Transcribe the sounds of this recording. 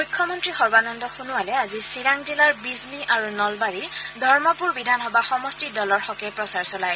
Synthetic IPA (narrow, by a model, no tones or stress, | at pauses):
mujkʰːɔmɔntɹixɔɹbanɔndɔxunuwalɛazisiɹaŋzilaɹbizniʔaɹunɔlbaɹiɹdʱɔɹmɔpuɹbidʱanɦɔbaxɔmɔstidɔlɔɹxɔkɛpɹɔsaɹsɔlaj